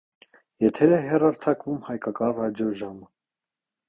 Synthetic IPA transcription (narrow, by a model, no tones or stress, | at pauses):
jɛt̪ʰɛɾɛɦɛrɑɾt͡sʰɑkvumhɑjkɑkɑrɑd͡ʒjɔʒɑmə